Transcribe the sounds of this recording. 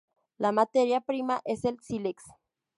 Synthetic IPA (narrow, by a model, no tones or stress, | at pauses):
lamat̪eɾjapɾimaʔeselsileks